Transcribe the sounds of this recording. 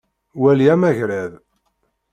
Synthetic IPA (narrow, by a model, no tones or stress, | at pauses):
wæljæmæʝɾæð